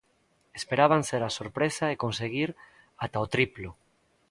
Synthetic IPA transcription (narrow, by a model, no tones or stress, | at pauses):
espeɾaβ̞anseɾasoɾpɾesaekonseɣiɾ | at̪aot̪ɾiplo